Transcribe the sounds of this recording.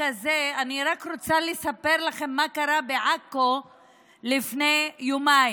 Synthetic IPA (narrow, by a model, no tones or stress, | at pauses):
azeaniʁakɾot͡salesape̞ʁlaχe̞mːakaɾabeʕako | lifne̞jumaj